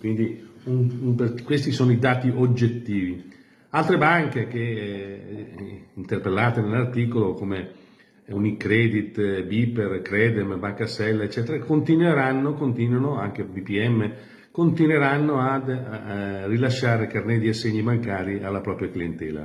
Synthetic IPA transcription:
kwind̪iunuperkwest̪isoːnoid̪aːt̪iʔod͡ʒːet̪ːiːvi | alt̪ɾebaŋkek̟e | int̪erpelːaːt̪enelart̪iːkolokome | unikɾɛːd̪it̪biperkɾɛːd̪ɛmbaŋkasɛlːaet͡ʃːɛːt̪eɾakont̪inweɾanːokont̪iːnwanoaŋk̟ebipiɛmːe | kont̪inweɾanːoad̪ | rilaʃːaːɾekarned̪iasːeɲːibaŋkaːɾialːapɾɔːpɾjaklient̪ɛːla̰

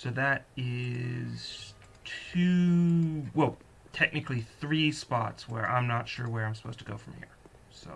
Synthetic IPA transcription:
soʊðɨɾɪz̥ | tʰʉ | wɛlˠ | tʰɛk̚nɨklˠiθɹispɑ̰tswə˞ʔã̰ɪ̃mnətʃʊɹwə˞ãɪ̃msə̥pʰoʊztəɡoʊfɹʌ̃mhḭɹ | soʊ

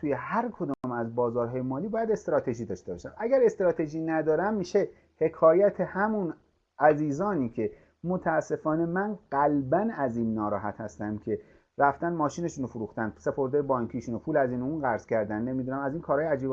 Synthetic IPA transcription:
t̪ʰuːje̞hæɾkʰo̞d̪ɔmæzbɒːzɒːɾɦɒːjemɒːliːbɒːjæd̪e̞st̪ɾɒːt̪ʰe̞ʒiːd̪ɒːʃt̪e̞bɒ̰ʃæmæɡæɾe̞st̪eɾɒːt̪ʰe̞ʒiːnæd̪ɒːɾæmːiːʃe̞ | he̞kʰɒːjæt̪ʰehæmun | ʔæziːzɒːniːcʰe̞ | mot̪ʰææsːe̞fɒːne̞mænɢ̥ælbænæziːnːɒːɾɒ̰ːɦæt̪hæst̪æmcʰe̞ | ɾæft̪ænmɒːʃiːne̞ʃuːnofoɾuːxt̪ænse̞pʰo̞ɾd̪eːjebɒːŋkʰiːʃunopʰuːlæziːnuːnɡæɾz̥cʰæɾd̪ænːe̞mid̪unæmæziːnkʰɒːɾhɒːjeæd͡ʒiːb

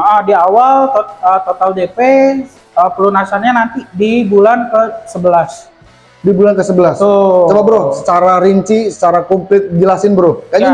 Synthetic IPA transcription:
ʔədiawalt̪ət̪ot̪ald͡ʒepe | əpəlunasanɲanant̪idibulankəsəbəlas | dibulankəsəbəlasot͡ʃəbabəɾʊhsə̥t͡ʃaɾaɾiɲt͡ʃisə̥t͡ʃaɾakomplɪt̪̚d͡ʒəlasɪnbəɾʊhkad͡ʒa

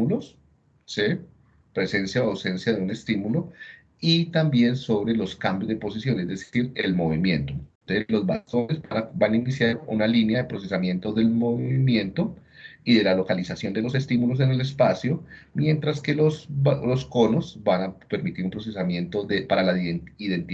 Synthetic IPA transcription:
ulos | si | pɾe̞se̞nsjaawse̞nsjaðe̞une̞st̪imulo | it̪ambje̞nso̞βɾe̞lo̞skambjo̞zd̪epo̞sisjo̞nezd̪e̞siɾelmo̞βimje̞nt̪o̞ | elo̞zbast̪o̞nezbanabanainisjaɾṵnalinjaðe̞pɾo̞s̬e̞samje̞nt̪o̞ðe̞lmo̞βiimjẽ̞nt̪o̞iðe̞lalo̞kalisasjo̞nd̪elo̞se̞st̪imulo̞s̬e̞ne̞le̞spasjomje̞nt̪ɾaske̞loslo̞skonosbanape̞ɾmit̪iɾumpɾo̞s̬e̞samje̞nt̪o̞ðepaɾalaiðe̞nt̪i

